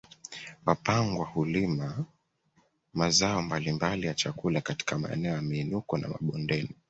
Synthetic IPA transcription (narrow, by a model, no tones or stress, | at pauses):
mapaŋɡwahulima | mazaɔmbalimbalijat͡ʃakulakati̥kama̰ɛ̰nɛɔjamiːnukɔna̰ma̰ɓɔndɛni